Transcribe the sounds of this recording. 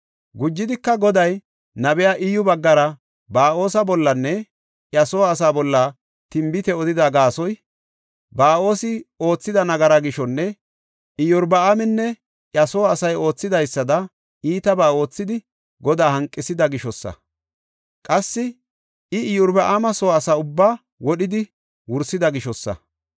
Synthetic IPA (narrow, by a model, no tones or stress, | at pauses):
ɡʊd͡ʒːɪd̪ɪkːɐɡɔd̪ɐj | nɐbɛjaːʔɪjʊbɐɡːɐɾɐ | baːo̞ːsɐbɔlːɐnːɛ | ʔjɐsoːɐs̬aːbɔlːɐ | t̪ɪmbɪt̪ɛɔd̪ɪd̪ɐɡaːsɔj | baːo̞ːsɪo̞ːt͡sːɪd̪ɐnɐɡɐɾɐɡɪʃɔnːɛ | ʔɪjʊɾbɐamɛnːɛ | ʔjɐsoːɐsɐjo̞ːt͡sːɪd̪ɐjsːɐd̪ɐ | iːt̪ɐbaːo̞ːt͡sːɪd̪ɪ | ɡɔd̪aːhɐŋkʼːɪsɪd̪ɐɡɪʃɔsːɐ̰ | kʼɐsːɪ | ɪɪjʊɾbɐʔamɐsoːsaʊbːaː | wɔɗɪd̪ɪ | wʊɾsɪd̪ɐɡɪʃɔsːɐ̰